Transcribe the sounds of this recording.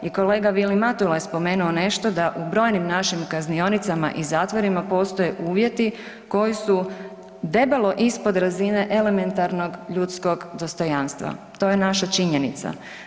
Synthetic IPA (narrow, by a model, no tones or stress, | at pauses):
iko̞le̞ːɡaʋilimat̪ulajespo̞me̞ːnuone̞ʃt̪o̞d̪aʔubɾo̞ːjnimnaʃimkaznio̞nit̪sama̰ʔizaːt̪ʋo̞ɾimapo̞ːst̪o̞jeʔuːʋje̞t̪i | ko̞jisu | d̪e̞belˠo̞ʔispo̞d̪ɾazine̞ʔe̞le̞me̞nt̪aɾno̞ɡʎut̪sko̞ɡd̪o̞st̪o̞jaːnst̪ʋa̰ | t̪o̞jenaʃat͡ʃiɲe̞nit̪sa̰